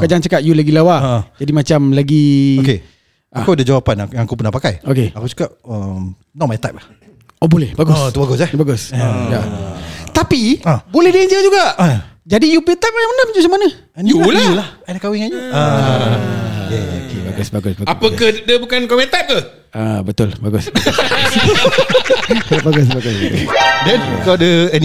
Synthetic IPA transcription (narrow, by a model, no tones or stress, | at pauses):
kad͡ʒant͡ʃakat̪̚julaɡilawad͡ʒadimat͡ʃamlaɡioke | ʔakuadəd͡ʒawapanjaŋakupənahpakajokeakut͡ʃḁkaʔəm | nɔʔmajt̪ajp̚lah | obolɛhbaɡʊst̪ubaɡʊsɛhbaɡʊsjat̪apiabolɛhdəəɲd͡ʒəd͡ʒuɡaʔd͡ʒadijupit̪ajp̚ajamanəməd͡ʒusamanə̃ | ɛnjualilahajdakawiŋad͡ʒua | ɛo̰kʰebaɡʊsbaɡʊsbaapəkahdəbukankɔmɛ̃nt̪ap̚kah | abət̪ʊlbaɡʊs | baɡʊsbaɡʊsbaɡʊsdɛnkadəɛn